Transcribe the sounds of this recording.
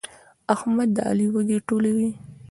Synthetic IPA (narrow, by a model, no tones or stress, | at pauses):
ahmad̪ːaa̰liwad̪eʈolawi